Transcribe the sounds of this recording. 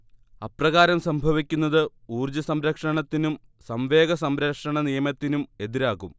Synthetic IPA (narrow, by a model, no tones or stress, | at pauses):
ɐprɐɣaːɾɐmsɐmbʱɐʋikʲːun̪ːɐðɨ | uːrd͡ʑɐsɐmɾɐkʂɐɳɐt̪ːinum | sɐmʋe̞ːɡɐsɐmɾɐkʂɐɳɐnijɐmɐt̪ːinume̞ðiɾaːɣum